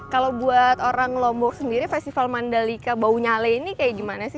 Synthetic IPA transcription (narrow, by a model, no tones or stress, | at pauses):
kalawbuat̪oɾaŋlɔmbɔk̚səndiɾifɛst̪ifalmandalikabauɲalainikajadimanasɪ